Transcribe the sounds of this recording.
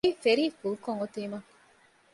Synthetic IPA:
ifeɾiːfulkoŋot̪iːmɐ

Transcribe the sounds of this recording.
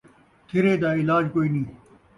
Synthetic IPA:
t̪ʰɪɾeːd̪aːɪlaːd͡ʑkoːiːnĩː

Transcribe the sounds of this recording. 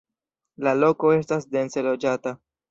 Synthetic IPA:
lalo̞ko̞e̞stasde̞nse̞lo̞d͡ʒata

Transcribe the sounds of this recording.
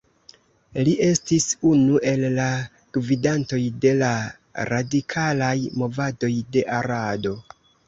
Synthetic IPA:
liʔe̞stisunuʔe̞lːa | ɡ̥vidanto̞jde̞la | ɾadikʰalajmo̞vado̞jde̞ʔaɾado̞

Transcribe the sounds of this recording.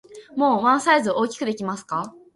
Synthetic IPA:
mo̞ːβãɰ̃saizɨʔo̞ːkʲi̥kɯ̟d̪e̞kʲimasɨ̥ka

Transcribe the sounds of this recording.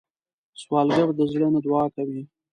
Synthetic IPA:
swɑːlɡaɾd̪əzlənad̪wɑːkawi

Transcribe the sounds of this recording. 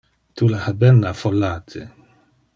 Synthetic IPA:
t̪ulahabɛnːafolːaːt̪ʰḛ

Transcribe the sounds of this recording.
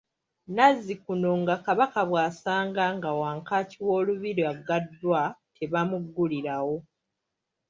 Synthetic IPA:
nazːikuno̞ŋɡakaβakaβwaːsaːŋɡaŋɡawaːŋkaciwo̞ːluβiɾiaɡadːwatʰe̞βamuɡːuliɾawo̞

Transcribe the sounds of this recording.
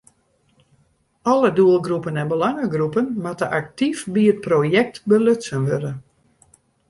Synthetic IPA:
ɔləduəlˠɡrupənɛnbəlaŋəɡrupənmatəʔak̚tifbiət̚projɛk̚tbəløtsənʋødə

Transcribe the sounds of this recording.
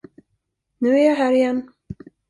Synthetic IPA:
nʉ̟ːæɾjaɦæːɾɪjɛnː

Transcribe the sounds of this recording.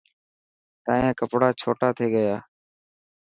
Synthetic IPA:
t̪aːẽːkəpɽaːt͡ʃʰoːʈaːt̪ʰeːɠəjaː

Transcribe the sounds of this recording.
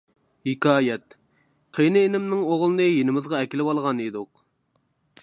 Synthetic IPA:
hikʲɑːjɛt̪̚ | qʰejnɨenɪmnɪŋoʁlˠɨnɨjenɪmɪzʁɑɛkʲilɪwɑlˠʁɑnid̪ʊq

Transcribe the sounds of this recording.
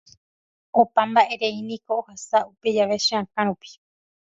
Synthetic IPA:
õpãmbaʔe̞ɾe̞inĩko̞ːhasaupe̞d͡ʒaʋe̞ʃeãkãɾ̃ũpi̥

